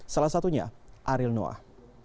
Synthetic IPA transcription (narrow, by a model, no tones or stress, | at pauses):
salasat̪uɲa̰ʔaɾɪlno̰a̰